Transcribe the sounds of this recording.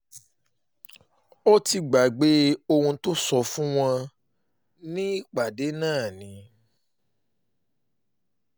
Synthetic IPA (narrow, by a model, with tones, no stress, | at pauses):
o˦ti˧ɡ͡ba˨ɡ͡be˨˦o˧hũ˧to˦sɔ˧fũ˦w̃ɔ̃˧ | nĩ˦i˦˨k͡pa˨de˨˦nãː˦˨nĩ˨˦